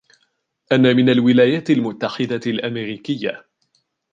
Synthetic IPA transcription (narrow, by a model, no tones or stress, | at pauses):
ʔanːaːmɪnalwɪlaːjaːt̪ɪlmʊt̪ːaħɪd̪alʔamɛɾiːkɪjːa